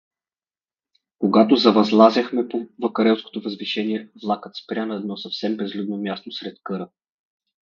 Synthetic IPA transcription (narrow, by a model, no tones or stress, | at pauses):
koɡat̪ozɐvɐzlˠazʲəxmɛpovəkɐɾɛlˠsko̥t̪ovɐzviʃɛniɛvlˠakət̪spɾʲanɐɛd̪nɔsɐfsɛmbɛzlʲud̪nomʲjast̪osɾɛt̪kɤɾə